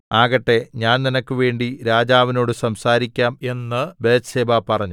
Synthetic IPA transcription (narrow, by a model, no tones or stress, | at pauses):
aːɣɐʈːe̞ɲaːnninɐkʲːɨʋe̞ːɳɖiɾaːd͡ʑaːʋino̞ːɽɨsɐmsaːɾikʲːaːme̞nːɨbeːseːbaːpɐrɐɲːu